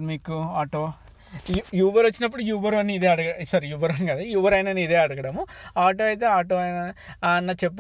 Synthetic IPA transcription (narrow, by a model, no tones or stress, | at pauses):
miːkuaːʈoː | juːʋɐɾot͡ʃːinɐp̬ːuɽujuːʋɐɾɐnːiːd̪eːɐɽɐɡɐsɐɾjuːʋɐɾɐnɡaːd̪ujuːʋɐɾɐjnɐnːid̪e̞ːɐɽɐɡɐɽɐmuaːʈo̞ːɐjt̪̬e̞ːaːʈ̬oːɐjna | nːɐt͡ʃe̞p̬ːu